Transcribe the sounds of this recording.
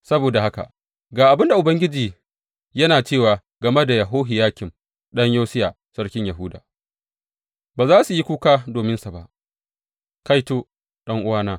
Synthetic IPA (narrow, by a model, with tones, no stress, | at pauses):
sɐ˦boː˨da˨ha˦ka̰˨ | ɡaː˨ʔa˨bɪ˦nda˨ʔʊ˨bɐ˦ŋɡʲɪ˦d͡ʒiː˨ | jɐ˦naː˨t͡ʃeː˦˨waː˨ | ɡɐ˨me˦da˨ja˨ɦoː˦ɦɪ˨jaː˦kʲɪ˨m | ɗɐ˦ɲjoː˦sɪ˦jaː˨ | sɐ˦ɽkʲɪ˦ɲjɐ˨ɦʊ˦da̰ː˨ | baː˨zaː˦su˨ji˦kʷuː˦kaː˦doː˨mɪ˦nsa˨ba˦ʔ | ka˦jtoː˦ | ɗɐ˦ŋʔʊ˦waː˦naː˦